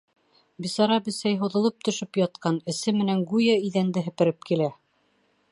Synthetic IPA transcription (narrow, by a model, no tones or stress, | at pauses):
bisɑɾɑbɘ̆sæjɦŏðɤ̆lˠɤp̚t̪ɵ̆ʃɵpjɑt̪̚qɑnɘ̆sɘmɘ̆næŋɡujɑiðænd̪ɘɦɘ̆pɘ̆ɾɘp̚kilæ